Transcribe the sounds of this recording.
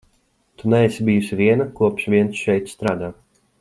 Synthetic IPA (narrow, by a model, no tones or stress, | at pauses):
t̪unɛɛsibijusivʲiɛnakuɔpʃviɛnsʃɛjt̪st̪ɾaːd̪aː